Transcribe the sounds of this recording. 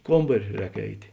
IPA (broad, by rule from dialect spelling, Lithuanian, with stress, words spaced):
ˈkoːmbɐrʲɪ ˈrʲɛːk ˈɛɪtʲeː